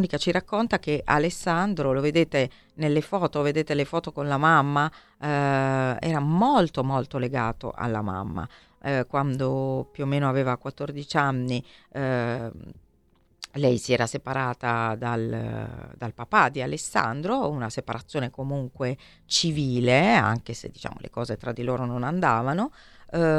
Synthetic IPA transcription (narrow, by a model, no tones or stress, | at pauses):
unikat͡ʃiɾakːont̪ak̟eʔa̰lesːand̪ɾoloved̪eːt̪e | nelːefɔːt̪oved̪eːt̪elefɔːt̪okonlamamːa | ɛ̰ːɾamolt̪omolt̪oleɡaːt̪o̰ʔa̰lːa̰ma̰mːa̰ | kwand̪opjuomːeːnoaveːvakwat̪ːord̪it͡ʃanːi | lɛjsiɛːɾasepaɾaːt̪ad̪al | d̪alpapad̪ialesːa̰nd̪ɾounasepaɾat̪sːjoːnekomuŋkwe | t͡ʃiviːlea̰ŋkesḛd̪ːit͡ʃa̰ːmo̰lʔḛkɔːzet̪ɾad̪ːiloːɾononand̪aːvano